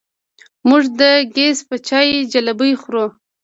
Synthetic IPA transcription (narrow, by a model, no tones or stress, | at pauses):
muʐd̪əɡespət͡ʃɑjed͡ʒalabəjxɾo